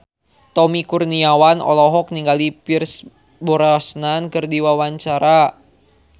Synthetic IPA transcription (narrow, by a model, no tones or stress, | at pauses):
t̪ɔmikurniawanɔ̰lɔɦɔk̚niŋɡalipirs | bɔɾasnankɨrdiwawaɲt͡ʃaɾa